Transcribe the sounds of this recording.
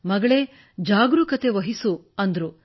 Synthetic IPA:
mɐɡɐɭe | d͡ʒaːɡɾukɐt̪e̞ʋɐɦisuɐnd̪ɐɾu

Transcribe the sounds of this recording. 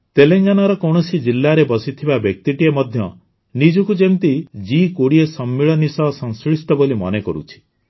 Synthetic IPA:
t̪eleŋɡanaɾɔkɔwɳɔsid͡ʒilːaɾebɔsit̪ʰibabjɔk̚t̪iʈiemɔd̪ʱjɔ | nid͡ʒɔkud͡ʒemt̪id͡ʒikoɽiesɔmːiɭɔnisɔɦsɔ̃ŋskɾisʈɔbolimɔ̰nekɔɾṵt͡ʃʰi̥

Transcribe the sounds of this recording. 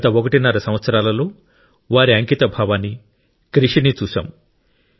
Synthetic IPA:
t̪ɐɔkɐʈinaːɾɐsɐmʋɐt̪sɐɾaːlɐlo̞ː | ʋaːɾiɐŋkit̪ɐbʱaːʋaːnːi | kɾiʂinit͡ʃuːsa̰ːm

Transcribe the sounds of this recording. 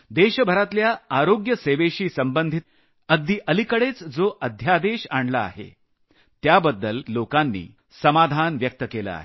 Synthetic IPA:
d̪eɕəbʱəɾat̪ljaaɾoɡjəseʋeɕiːsəmbənd̪ʱit̪ | əɡ̚d̪iːʔəlikəɽet͡sd͡zoʔəd̪ʱjad̪eɕaɳləa̰ɦḛ | t̪jabəd̪ːəlːokanːḭː | səmad̪ʱanʋjək̚t̪əkelə̰a̰ɦe

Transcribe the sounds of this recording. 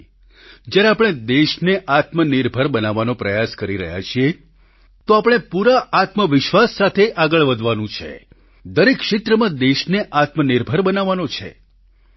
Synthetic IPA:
d͡ʒjaɾeapɽ̃ed̪eʃneʔat̪məniɾbʱəɾbənaʋanõpɾəjaskəɾiɾə̰ɦja̰t͡ʃʰie | t̪oapəɽ̃epuɾaʔat̪məʋɪʃʋasːat̪ʰeʔaɡəɭʋəd̪ʱʋanũt͡ʃʰḛ | d̪əɾekʃɪt̪ɾəmãd̪eʃneʔat̪mənɪɾbʱəɾbənaʋanõt͡ʃʰḛ

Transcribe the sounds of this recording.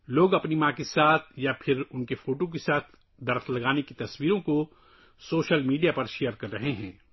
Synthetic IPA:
loːɡɐpnimãːkesaːt̪ʰjapʰɪɾʊnkefʰoːʈõk̬esaːt̪ʰ | d̪ɐɾflɐɡaːnekit̪ɐswiːɾõko | soːʃəlmiːɖijapɐɾʃejəɾkɐɾːɐɦeɦɛ̃ː

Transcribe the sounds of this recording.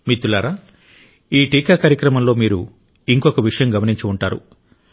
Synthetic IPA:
mit̪ːulaːɾaː | iːʈiːkaːkaːɾjɐkɾɐmɐmlo̞ːmiːɾu | iŋkokɐʋiʂɐjɐmɡɐmɐniɲt͡ʃuuɳʈaːɾṵ

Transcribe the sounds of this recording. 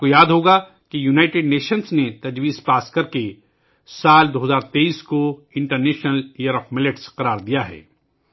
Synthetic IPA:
kojaːd̪ɦoːɡa | kijunaːɪʈɪɖneːʃənsnet̪ɐd͡ʒwiːspaːskɐɾke | saːld̪oːɦɐzaːɾt̪eːiːskoɪ̃ɳʈəɾneːʃnəlijəɾɔːfmɪlɪʈsqɐɾaːɾd̪ijaɦɛ̰ː

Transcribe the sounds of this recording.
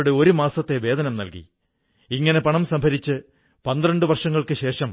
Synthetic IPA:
ɽeo̞ɾumaːsɐt̪ːe̞ʋe̞ːd̪ɐnɐmnɐ̰lkḭ | iŋːɐne̞pɐɳɐmsɐmbʱɐɾit͡ɕːɨ | pɐnd̪rɐɳɖɨʋɐrʂɐŋːɐɭkɨɕe̞ːʂɐm

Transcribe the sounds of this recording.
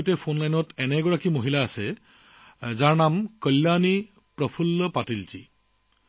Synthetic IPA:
jtɛpʰonlajnɔtɛnɛɡɔɹakimoɦilaːsɛ | zaɹnamkəlːani | pɹɔpʰulːɔpatilzḭ

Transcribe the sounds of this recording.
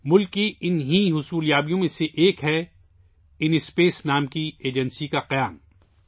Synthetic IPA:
mʊlkːiɪnɦiɦʊsuːljaːbijõmẽseʔeːkɦɛ | ɪnɪspeːsnaːmkieːd͡ʒə̃nsikaqɐjaːm

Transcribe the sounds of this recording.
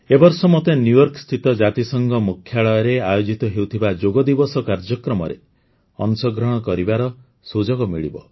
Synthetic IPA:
ebɔɾsɔmɔt̪enjujɔɾkst̪ʰit̪ɔd͡ʒat̪isɔŋɡɔmukʰjaɭɔjɔɾeajod͡ʒit̪ɔɦewt̪ʰibad͡ʒoɡɔd̪ibɔsɔkaɾd͡ʒɔkɾɔmɔɾḛ | ɔ̰nsɔɡɾɔɽ̃ɔkɔɾibaɾɔ | sud͡ʒɔɡɔmiɭibɔ̰

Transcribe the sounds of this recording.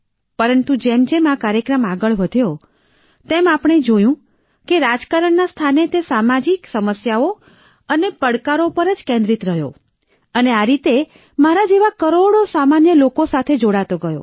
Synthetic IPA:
pəɾənt̪ud͡ʒemd͡ʒemakaɾjəkɾəmaɡəɭʋəd̪ʱjo | t̪emapɳ̃ed͡ʒojũ | keɾad͡ʒkaɾəɳnast̪ʰanet̪esamad͡ʒiksəməsjao | ənepəɽkaɾopəɾəd͡ʒkẽnd̪ɾit̪ɾəɦjo | əneaɾit̪e | maɾad͡ʒeʋakəɾoɽosamanjəlokosat̪ʰed͡ʒoɽat̪oɡəjo̰

